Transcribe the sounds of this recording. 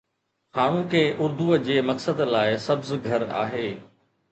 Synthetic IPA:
xaːɽ̃ũkʰeːʔʊɾd̪ʱud͡ʑeːmɐksəd̪laːɪsɐbzɡʱɐɾa̰ːɦeː

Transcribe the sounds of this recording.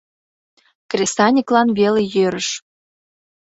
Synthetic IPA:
krʲesɑnʲiklɑnβelejøɾəʃ

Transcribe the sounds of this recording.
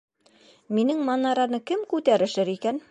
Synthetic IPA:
minɘŋmɑnɑɾɑnɤkɘmkʉt̪æɾɘ̆ʃɘɾikæn

